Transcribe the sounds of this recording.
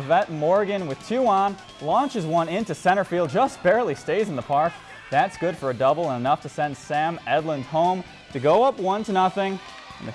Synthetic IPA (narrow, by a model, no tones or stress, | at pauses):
vɛt̚mɔɹɡɨ̃nwɨð̥tʰʉɑ̃n | lɑ̃nt͡ʃɨzwʌ̃nɪ̃ntʉsɛ̃ɾ̃ə˞filˠd̚d͡ʒʌsb̥ɛɹlˠisteɪzn̩ðəpʰɑɹk | ðætsɡ̥ʊd̥fə˞ɨdʌbl̩ˠə̃nɨnʌftʰɨsɛ̃nsæ̃mɛdˡlə̃nz̥hõʊ̃m | tʰɨɡoʊʌpwʌ̃ntʰɨnʌθɪ̃ŋ | ɨ̃n̩ɨ̰